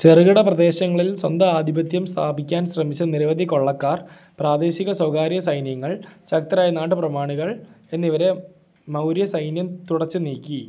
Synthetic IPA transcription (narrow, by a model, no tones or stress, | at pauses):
t͡ɕerɣɐɽɐprɐd̪e̞ːɕɐŋːɐɭilswɐnd̪ɐaːd̪ʱibɐt̪jɐmst̪ʰaːbikʲːaːnsrɐmit͡ɕːɐniɾɐʋɐd̪ʱiko̞ɭːɐkːaːr | praːd̪e̞ːɕiɣɐswɐwkaːɾjɐsɐjnjɐŋːɐɭɕɐkt̪ɐɾaːjɐnaːʈːɨprɐmaːɳuɣɐɭe̞nːiʋɐɾe̞ | mɐwɾjɐsɐjnjɐmt̪uɽɐt͡ɕːɨniːkʲːi